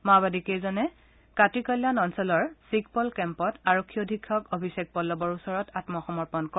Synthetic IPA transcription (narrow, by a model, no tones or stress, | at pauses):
mabadikejzɔnɛ | katikɔjlːanɔnsɔlɔɹsikpɔlkɛmpɔtaɹɔkʰːiodʱikʰːɔkobʱisek̚pɔlːɔbɔɹusɔɹɔtatmɔxɔmɔɹpɔnkɔ